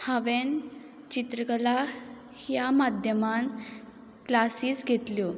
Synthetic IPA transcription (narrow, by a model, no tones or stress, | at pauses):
haʋen | t͡ɕit̪ɾəɡəla | hjamad̪ʱjəman | klasiːsɡʱet̪ljo